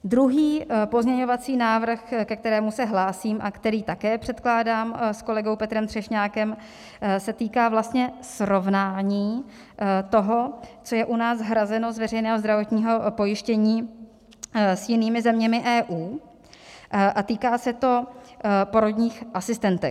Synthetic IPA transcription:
d̪ɾuɦiːpo̞zɲɛɲo̞vat͡siːnaːvr̩xkɛk̚t̪ɛɾɛːmusɛɦlaːsiːmʔa̰kt̪ɛɾiːt̪akɛːpr̝̥ɛt̪klaːdaːmsko̞lɛɡo̞wpɛt̪ɾɛmt̪r̥ɛʃɲaːkɛm | sɛt̪iːkaːvlast̪ɲɛsɾo̞vnaːɲiː | t̪o̞ɦo̞t͡so̞jɛʔunaːsɦɾazɛno̞zvɛrɛjnɛːɦozd̪ɾavo̞t̪ɲiːɦo̞po̞jɪʃcɛɲiː | sjɪniːmɪzɛmɲɛmɪʔɛːʔuː | ʔat̪iːkaːsɛt̪o̞ | po̞ɾod̪ɲiːxʔasɪst̪ɛnt̪ɛ̰

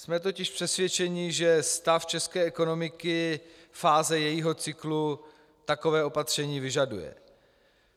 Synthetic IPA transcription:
smɛt̪̬o̞cɪʃpr̥ɛsvjɛt͡ʃɛɲɪʒɛst̪aft͡ʃɛskɛːʔɛko̞no̞mɪkɪ | faːzɛjɛjiɦo̞t͡sɪklu | t̪ako̞vɛːʔo̞pat̪r̝̥ɛɲiːvɪʒadujɛ̰

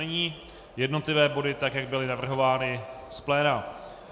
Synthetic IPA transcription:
ɛɲiː | jɛdno̞t̪lɪvɛːbo̞dɪt̪akjaɡ̚bɪlɪnavr̩ɦo̞vaːnɪ | splɛːna

